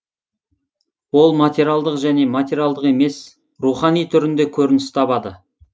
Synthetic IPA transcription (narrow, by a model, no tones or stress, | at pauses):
wo̞lˠmat̪ʲeɾʲjalˠd̪əqʒæne̞mat̪ʲeɾʲijalˠd̪əqe̞me̞s | ɾuχɑnijt̪ʰʏɾɪnd̪e̞kʲʰɵɾɪnɪst̪ʰɑbɑd̪ə